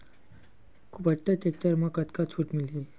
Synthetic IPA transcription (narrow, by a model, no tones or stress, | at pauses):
kʰupət̪et̪ek̚t̪əɾməkət̪kat͡sʰuːʈmilɦi